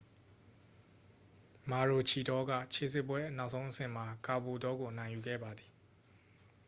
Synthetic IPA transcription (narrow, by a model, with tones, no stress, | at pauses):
ma˨ɹo˨t͡ɕʰi˨dɔ˦ɡä̰˦˨t͡ɕʰe˨s̬ɪ˦˨pwɛ˦na˦ʊʔsõ˦ʊ̃ʔəsɪ̃˨ma˨ka˨bo˨dɔ˦ɡo˨ʔənã˨ɪ̃ju˨ɡɛ̰˦˨ba˨d̪i˨